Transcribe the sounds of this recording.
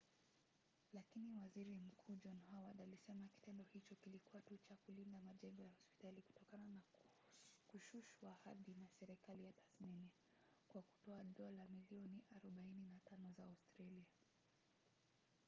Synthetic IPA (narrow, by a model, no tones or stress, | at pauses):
lakiniwaziɾim̩kʰuːd͡ʒɔnhawaɗalisɛmaki̥tɛndɔhit͡ʃɔkilikuwatut͡ʃakulindamaʄɛŋɡɔjahɔspi̥taliku̥tɔkanana | kuʃuʃwaha̰ðinasɛɾɛkalijatḁθnini | kwaku̥tɔaɗɔlamiliɔniʔaɾɔɓaininatanɔzaːstɾalia